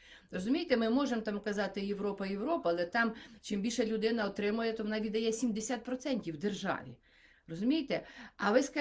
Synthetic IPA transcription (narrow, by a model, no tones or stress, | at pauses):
rɔzʊmʲijet̪ɛmɪmɔʒemɔt̪ɑmkɐzɑt̪ɪjeʋɾɔpɐjewɾɔpɐːlˠɛt̪ɑmt͡ʃɪmbʲilʲʃɛlʲʊd̪ɪnɐɔt̪ɾɪmʊjɛt̪ɔʋɔnɑʋʲid̪ɐjɛsʲimd̪esʲat̪̚pɾɔt̪sɛnʲtʲiwd̪erʒɑ̰ʋʲḭ | rɔzʊmʲijet̪ɛɐʋɪskɐ